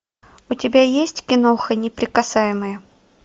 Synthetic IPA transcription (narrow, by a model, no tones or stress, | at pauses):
ʊtʲɪbʲajesʲtʲkʲɪnoxənʲɪpɾʲɪkɐsajɪməjə